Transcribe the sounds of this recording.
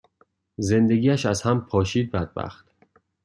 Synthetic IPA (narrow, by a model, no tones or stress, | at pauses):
ze̞nd̪eɡiːæʃæz̥hæmpʰɒːʃiːd̪̚bæd̪̚bæ̰xt̪